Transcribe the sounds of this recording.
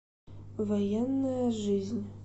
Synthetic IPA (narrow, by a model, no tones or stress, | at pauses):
vojɛnːajɐʐɨzʲnʲ